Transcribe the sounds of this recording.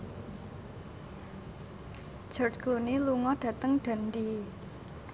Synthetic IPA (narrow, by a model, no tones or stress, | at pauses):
d͡ʒɔrd͡ʒkluniluŋɔɖ̥ä̤t̪əŋɖ̥a̤nd̪i